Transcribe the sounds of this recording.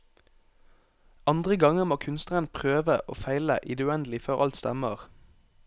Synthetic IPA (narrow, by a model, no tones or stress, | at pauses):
ɑnd̪ʁəɡɑŋəʁmoːkʰʉnst̪əʁənpʰʁøːʋəʔo̰ːfæɪlə̰ʔɪd̪ʉɛnd̪lɪføːʁʔɑ̰lt̪st̪ɛməʁ